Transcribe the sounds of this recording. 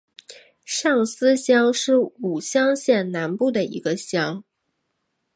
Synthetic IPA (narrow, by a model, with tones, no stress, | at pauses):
ʂɑ˥˩ŋsɹ̩˥ɕjɑ˥ŋʂɻ̩˥˩u˨˩ɕjɑ˥ŋɕjɛ˥˩nna˧˥npu˥˩d̪ə˩ḭ˧˥ɡə˧ɕjɑ˥ŋ